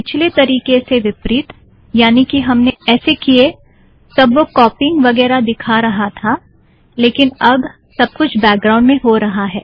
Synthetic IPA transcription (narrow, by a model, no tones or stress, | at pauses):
pɪt͡ʃʰlet̪ɐɾiːkeseʋɪpɾɪt̪ | jaːnikiɦɐmneɛːsekie | sɐbʋokɔːpɪ̃ŋɡʋɐɡɛːɾad̪ɪkʰaɾɐɦat̪ʰa | leːkɪnɐb | sɐb̚kʊt͡ʃʰbɛːk̚ɡɾãːʊ̃ɳɖmẽɦoɾɐɦaɦɛ̰ː